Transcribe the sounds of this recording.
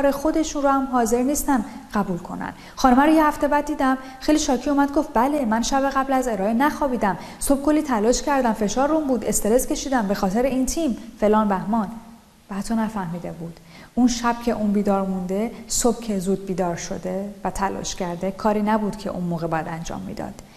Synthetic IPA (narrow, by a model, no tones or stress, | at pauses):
ɾexo̞d̪e̞ʃunɾohæmɦɒːze̞ɾniːst̪ænɢæbuːlkʰo̞̰næ̰n | xɒːnomæɾojehæft̪e̞bæd̪ːiːd̪æm | xejliːʃɒːcʰiumæd̪ɡo̞ft̪̚bæle̞mænʃæbe̞ɣæblæze̞ɾɒːenæxɒːbiːd̪æm | so̞b̥̚kʰo̞lːiːt̪ʰælɒːʃcʰæɾd̪ænfe̞ʃɒːɾːumbuːd̪e̞st̪e̞ɾezcʰe̞ʃiːd̪æmbe̞xɒːt̪ʰe̞ɾeint̪ʰimfe̞lɒːnbæhmɒn | bæætt̪ʰːonæfæhmiːd̪e̞buːd̪̥ | ʔunʃæb̥̚cʰe̞ʔunbiːd̪ɒːɾmund̪e̞sob̥̚cʰe̞zuːd̪̚biːd̪ɒːɾʃo̞̰d̪e̞væt̪ʰælɒ̰ʃcʰæɾd̪e̞kʰɒːɾiːnæbuːd̪̥cʰe̞̰ʔṵnmoːɣebɒːjæd̪ænd͡ʒɒ̰ːmːḭːd̪ɒ̰ːd̪̥